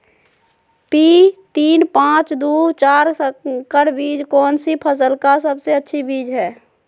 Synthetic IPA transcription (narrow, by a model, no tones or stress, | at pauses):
pit̪iːnpãt͡ʃd̪ut͡ʃaːɾkəɾbiːd͡ʒkɔːnsipʰəs̬əlkasəbseətːʃʰibiːd͡ʒɦɛː